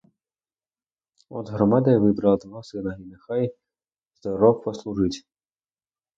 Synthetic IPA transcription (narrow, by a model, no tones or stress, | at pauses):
ɔ̰d̪ɦɾɔmɑd̪ɐjɐʋɪbɾɐlˠɐd̪ɔɦɔsɪnɐɦinexɑj | z̥d̪ɔɾɔwpɔslˠuʒɪtʲ